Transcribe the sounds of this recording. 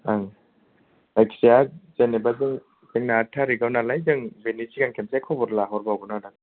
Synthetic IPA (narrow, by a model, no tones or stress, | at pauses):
aŋ | lajksijazenebazeŋ | zeŋnatʰaɾiɡawnalajd͡ʒɯŋbenisiɡaŋkʰemsekʰɔbɔɾlaɦɔɾbawɡunadaŋ